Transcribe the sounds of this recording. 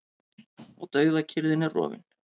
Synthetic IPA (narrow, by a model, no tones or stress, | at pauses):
ɔɣt̪œːɥɣðacʰɪɾðɪnɛrɔ̰ːvɪ̰n